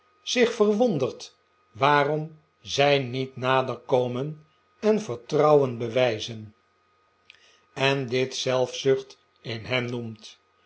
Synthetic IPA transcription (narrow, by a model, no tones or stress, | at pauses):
z̥ɪχfərʋɔndəɹt | ʋaːrɔm | zɛjnitnaːdəɹkowmən | ɛnvəɹtrɑwənbəʋɛjzən | ɛndɪtsɛlˠfsɵχt | ɪnɦɛmnumt